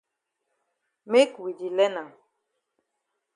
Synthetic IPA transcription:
me˦kwi˨d͡ʒi˨lɛ˦na˨

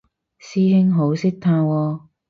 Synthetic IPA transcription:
siː˥hɪ˥ŋɦo˨˥wsɪ˥k̚t̪ʰaː˧wɔː˧

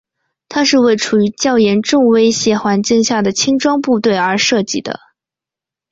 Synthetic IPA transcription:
t̪ʰa˥ʂɻ̩˥˧we˥˩ɪʈ͡ʂʰu˨˩y˧˥t͡ɕjɑ˥˩ʊjɛ˧˥nʈ͡ʂʊ˥˧ŋwe˥ɪɕjɛ˧˥xwa˧˥nt͡ɕi˥˧ŋɕja˥˩d̪ə˩t͡ɕʰi˥ŋʈ͡ʂwɑ˥ŋpu˥˧t̪we˥˩ɪə˞˧˥ʂɤ˥˧t͡ɕi˥˩d̪ə̰˩

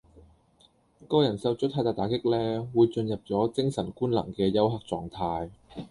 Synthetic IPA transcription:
kɔː˥jɐ˨˩nsɐ˨˧wt͡ʃʰt̪ʰaː˧jt̪aː˨˧jt̪aː˨˥kɪ˥k̚lɛː˥wuː˨˧jt͡ʃɵ˧njɐ˨p̚t͡sɔː˨˥t͡sɪ˥ŋsɐ˨˩nkuː˥nlɐ̰˨˩ŋkɛː˧jɐ˥wɦaː˨k̚t͡sɔː˨ŋt̪ʰaː˧j

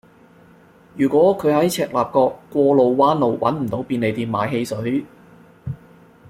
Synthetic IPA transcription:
jyː˨˩kʷɔː˨˥kʰɵ˨˧ɥhɐ˨˥jt͡sʰɛː˨˩k̚laː˨p̚kɔː˧kːʷɔː˧lo˨wːaː˥nlo˨˧wwɐ̰˨˥nm̩˨˩t̪o˨˥wpiː˧ne˨˧jt̪iː˧nmaː˨˧jɦe˧jsɵ˨˥ɥ

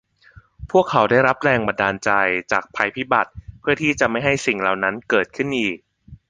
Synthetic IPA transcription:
pʰu˥˩əkʰːa˩˦wdaː˥˩jɾa˦˥p̚ɾɛː˧ŋba˧ndaː˧nt͡ɕa˧jt͡ɕa̰ː˨˩k̚pʰa˧jpʰi˦˥ba˨˩t̪̚pʰɯ˥˩ɐt̪ʰiː˥˩t͡ɕa˨˩ma˥˩jɦa˥˩jsi˨˩ŋla˨˩wna˦˥nkɤː˨˩t̪̚kʰɯ˥˩nʔiː˨˩k̚

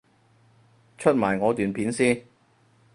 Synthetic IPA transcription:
t͡ʃʰɵ˥t̚maː˨˩jŋɔː˨˧t̪yː˨npʰiː˨˥nsiː˥n

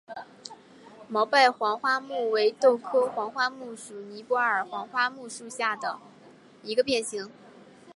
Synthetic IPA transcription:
mɑ˧˥ʊpa˥˩ɪxwɑ˧˥ŋxwa˥mu˥˩we˧˥ɪt̪o˥˩ʊkʰɤ˥xwɑ˧˥ŋxwa˥mu˥˩ʂu˨˩ni˧˥pwɔ˧˥ə˞˨˩xwɑ˧˥ŋxwa˥mu˥˧ʂu˥˧ɕja˥˩d̪ə˩ | i˧˥ɡə˧pjɛ˥˩nɕi˧˥ŋ

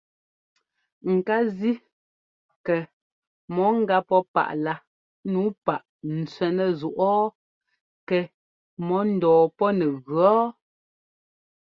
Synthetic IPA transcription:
ŋ̩˨ka˦zi˦ | kɛ˨ | mɔ˨˦ŋ̩˦ɡa˦pɔ˦pa̰˨ʔla˦ | nuː˨˦pa˨ʔ | n̩˨t͡sɥɛ˨nɛ˨zu˨ʔɔː˦ | kɛ˨ | mɔ˨˦n̩˨dɔː˨pɔ˦nɛ˨ɣɰɔ˦

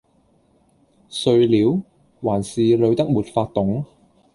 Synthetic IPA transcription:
sɵ˧ɥliː˨˥w | waː˨˩nsiː˨lɵ˨˧ɥt̪ɐ˥k̚muː˨t̚faː˧t̚t̪ʊ˨˥ŋ

